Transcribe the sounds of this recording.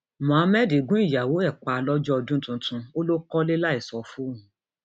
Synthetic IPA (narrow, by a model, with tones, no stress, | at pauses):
mã˨˦mɛ˦di˨ɡũ˨˦i˦˨ja˨wo˨˦ɛ˦˨k͡pa˨˧lɔ˦d͡ʒɔ˦ɔ˧dũ˦tũ˧˦tũ˧o˦lo˦kɔ˦le˦la˦i˨sɔ˨fu˦ũ˨